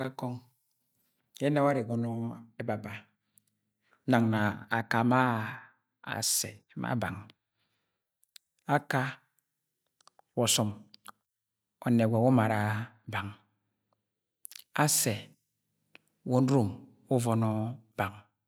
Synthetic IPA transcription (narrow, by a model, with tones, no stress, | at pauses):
a˦kɔ˦ŋ | e˦na˦wa˦ɾe˨ɡɔ˨nɔ˦e˦ba˨ba˨˦ | na˨ŋna˨a˨ka˨ma̰˦˨ | se˨˦ma̰˦ba˨ŋ | a˦ka˦ | wɔ˨sɔ˨m | o˨ne˨we˨wo˦ma˨ɾa˨ | ba˨ŋ | a˦se˨ | wo˨n̩˦ɾu˦˨m | u˦vɔ˨nɔ˦ba˨ŋ